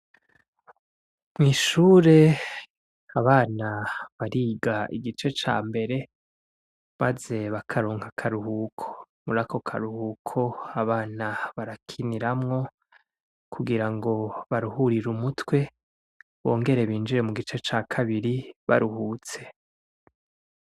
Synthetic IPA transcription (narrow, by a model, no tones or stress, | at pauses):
mŋiːʃuːɾe̞ | aβaːnaβaɾiːɡaḭɡit͡ʃe̞t͡ʃa̰ːmbe̞ɾe̞ | maze̞βakʰaɾoːŋhakʰaɾuhuːkʰo̞̥ | muɾako̞kʰa̰ɾuhuːkʰo̞aβaːnaβaɾakʰiniɾamŋo̞ | kʰuɡiɾaŋɡo̞βaɾuhuɾiɾumutwe̞ | βo̞̰ːŋɡe̞ɾe̞βiːnd͡ʒiɾe̞muɡit͡ʃe̞t͡ʃaːkʰaβiɾiβa̰ɾuhuːt͡se̞